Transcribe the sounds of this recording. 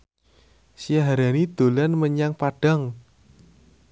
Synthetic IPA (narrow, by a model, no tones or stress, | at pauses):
sijaɦaɾanid̪̥o̤lanməɲaŋpaɖ̥a̤ŋ